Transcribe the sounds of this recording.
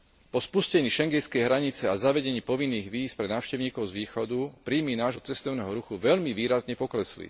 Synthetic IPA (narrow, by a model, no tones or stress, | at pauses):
pɔspuscɛɲiːʃɛŋɡɛnskɛjɦɾaɲit͡sɛazaʋɛɟɛɲiːpɔʋinːiːɣʋiːspɾɛnaːʊʃcɛʊɲiːkɔʊzʋiːxɔd̪upɾiːmiːnaːʒɦɔt͡sɛst̪ɔʊnɛːɦɔɾuxuʋɛʎmiʋiːɾazɲɛpɔklɛslḭ